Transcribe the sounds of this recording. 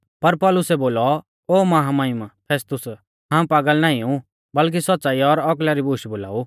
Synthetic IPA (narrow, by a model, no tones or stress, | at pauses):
pɐɾpɔːlʊsɛboːlɔ | oːmɐɦamaɪmapʰeːst̪ʊs | ɦãːpaːɡəlnãːĩũ | bɐlk̬isɐt̪ːsaːiɔɾɔk̬laɾibʱuːʃboːla̰ːu